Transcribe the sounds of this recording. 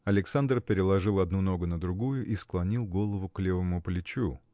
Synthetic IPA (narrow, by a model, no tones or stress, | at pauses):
ɐlʲɪksand̪rpʲɪɾʲɪlˠɐʐɨlˠɐd̪̚nuno̞ɡʊnəd̪ɾʊɡujʊʔisklˠɐnʲilˠɡo̞lˠəvʊklʲe̞vəmʊplʲɪt͡ɕu